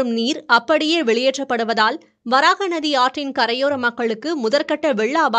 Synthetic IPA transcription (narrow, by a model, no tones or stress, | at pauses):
ɯmniːɾɐpːɐɽɪjeːʋɛɭɪjɛʈrɐpːɐɽɯʋɐðaːl | ʋɐɾaːɣɐnɐðiaːʈrɪnkɐɾɐjoːɾɐmɐkːɐɭɯkːɯmʊðɐɾkɐʈːɐʋɛɭːaːʋaː